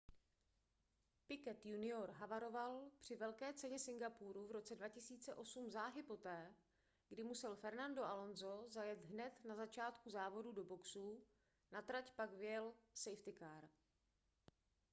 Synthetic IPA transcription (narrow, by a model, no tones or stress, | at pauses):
pɪkɛt̪junɪo̞ɾɦavaɾo̞valpr̝̥ɪvɛlkɛːt͡sɛɲɛsɪŋɡapuɾuvɾo̞t͡sɛdvacɪsiːt͡sɛʔo̞sumzaːɦɪpo̞t̪ɛː | ɡdɪmusɛlfɛɾnando̞ʔalo̞nzo̞zajɛt̪ɦnɛt̪nazat͡ʃaːt̪kuzaːvo̞dudo̞bo̞ksuː | nat̪ɾacpaɡvɪjɛlsɛjft̪ɪkaɾ